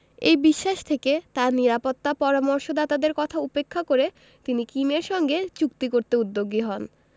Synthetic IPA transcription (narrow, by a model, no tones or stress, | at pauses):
ejbiʃːaʃt̪ʰeket̪aɾniɾapot̪ːapɔɾamoɾʃod̪at̪ad̪eɾkɔt̪ʰaupekʰːakoɾe | t̪inikimeɾʃɔŋɡet͡ɕukt̪ikoɾt̪eud̪ːoɡːiɦɔn